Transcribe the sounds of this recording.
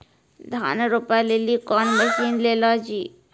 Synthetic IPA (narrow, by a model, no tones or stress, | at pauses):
d̪ʱa̰ːnaɾopalelikɔnməʃiːnleːlɔd͡ʒiː